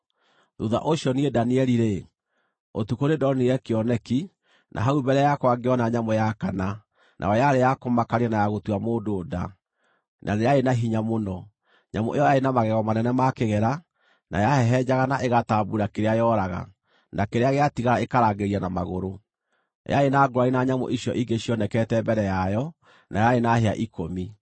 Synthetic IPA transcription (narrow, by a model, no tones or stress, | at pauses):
ðuða̰ʔoɕjɔniedaniɛɾiɾe | otukoɾedɔniɛkeɔnɛki | nʔa̰ɦaubɛɾɛajakwaɡeɔnaɲamɔjakana | nʔa̰ɔjaɾejakomakaɾɛnajaɣotuamoːdoːda̰ | nʔa̰neaenaɦiɲamonɔ | ɲamo̰ʔejɔjaenamaɣɛɣɔmanɛnɛmakeɣɛɾa | nʔa̰jahɛɦɛd͡ʒaɣanaʔeɣataːbuɾakeɾeajɔɾaɣa̰ | nʔakeɾeaɣeatiɣaɾaekaɾaːɡeɾianamaɣoɾo | ja̰enaɡoɾainaɲamo̰ʔiɕjɔ̰ʔiɡeɕiɔnɛkɛtɛbɛɾɛjajɔ | nʔajaenaheaʔikomi